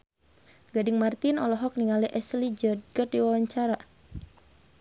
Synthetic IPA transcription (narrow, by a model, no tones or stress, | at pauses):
ɡadɪŋmart̪inɔlɔɦɔk̚niŋaliʔɛslid͡ʒɔd̚ɡɔt̚diwawaɲt͡ʃaɾa